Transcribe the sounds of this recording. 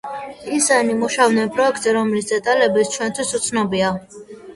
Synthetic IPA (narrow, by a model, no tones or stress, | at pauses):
isanimuʃavnɛnpʼɾɔɛk̚ʰt̪ʼzɛɾɔmlisd̪ɛt̪ʼalɛbist͡ʃʰwɛnt̪ʰwisut̪sʰnɔbia